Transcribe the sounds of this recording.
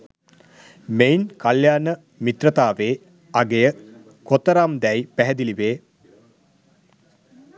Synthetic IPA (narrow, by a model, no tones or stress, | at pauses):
meinkaljaːnə | mit̪rət̪aːʋeː | aɡejə | kot̪əɾamd̪ɛjpæɦɛd̪iliʋeː